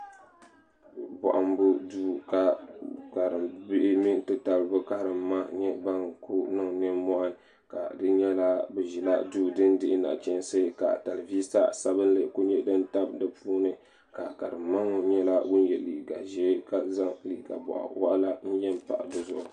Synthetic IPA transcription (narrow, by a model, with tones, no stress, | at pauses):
bɔ̰˨ʔa˨m˦bʊ˦duː˦ka˨ka˨hɾɨ˨mbɪ˦ʔɪ˦mi˦tɨ˦ta˨lbɨ˦ka˦hɾɨ˨mːa˦ɲɛ˦ba˦ŋku˦nɨ˦ŋnɨ˦mmɔ˦ʔa˦ | ka̰˨dɨ˦ɲɛ˦la˦bɨ˨ʒi˨la˦duː˦˨dɨ˦ndɪ˦ʔɪ˦na̰˨t͡ʃɛ˦nsɨ˦ka̰˨ta˨lɨ˨vi˦sa˦sa˦bɨ˦nlɨ˨ku˦ɲɛ˦dɨ˦nta˦bdɨ˨puː˦nɨ˦ | ka˨ka˨ɾɨ˨mːa˦ŋo˦ɲɛ˦la˦wʊ˦n˦jɛ˨li˨ɡa̰˨ʒɛ˦ka˨za˦ŋli˨ɡa̰˨bɔ̰˨ʔa̰˨wa˦ʔla˦n̩˦jɛ˦mpa̰˨ʔdɨ˦zʊ˦˨ʔʊ˨